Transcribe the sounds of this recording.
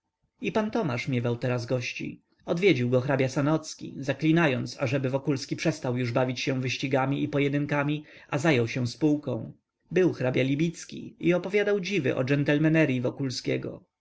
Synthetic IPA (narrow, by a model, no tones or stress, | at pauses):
ipant̪ɔmaʂmʲjɛvawt̪ɛɾazɡɔɕt͡ɕḭ | ɔd̪vʲjed͡ʑiwɡɔxɾabʲjasanɔt̪skʲḭzaklʲinajɔnt̪sa̰ʐɛbɘvɔkulskʲipʂɛst̪awjuʐbavʲit͡ɕɕɛ̃vɘɕt͡ɕiɡamʲiʔipɔjɛd̪ɘŋkamʲiʔazajɔwɕɛ̃spuwkɔ̃w̃ | bɘwxɾabʲjalʲibʲit̪skʲḭiɔpɔvʲjad̪awd͡ʑivɘ̰ʔɔ̰d͡ʒɛnt̪ɛlmɛnɛɾjivɔkulskʲɛɡɔ̰